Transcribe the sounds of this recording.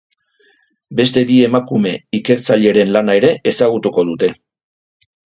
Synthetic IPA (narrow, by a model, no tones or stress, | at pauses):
be̞st̪e̞βie̞makume̞ike̞ɾt͡saʎe̞ɾe̞nlanae̞ɾe̞ʔesaɣ̞ut̪uko̞ðut̪e̞